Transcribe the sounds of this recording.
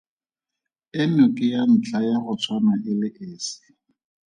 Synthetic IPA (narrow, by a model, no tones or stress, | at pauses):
ɪnʊkʼɪjan̩t͡ɬajaɣʊt͡sʰwanaʔɪlɪʔɪːsɪ̥